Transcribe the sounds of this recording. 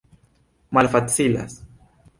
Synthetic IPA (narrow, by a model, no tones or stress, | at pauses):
malfat͡sila̰s